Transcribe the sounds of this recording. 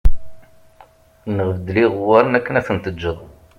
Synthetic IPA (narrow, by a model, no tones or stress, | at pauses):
nəʁəvd̪liʁwaɾənækːənæfənt̪əd͡ʒːəðˤ